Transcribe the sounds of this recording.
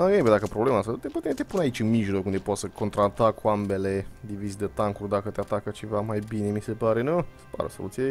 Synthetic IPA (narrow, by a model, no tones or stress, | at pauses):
aebed̪akəpɾoble̞mast̪at̪eput̪et̪e̞punait͡ʃʲɨnmiʒlo̞kund̪epot̪səkʰo̞nt̪ɾat̪akuambe̞le̞d̪ivizd̪et̪aŋkurʲd̪akət̪eat̪akət͡ʃe̞vamajbine̞mise̞paɾe̞nuspa̰ɾəso̞̰lut̪sije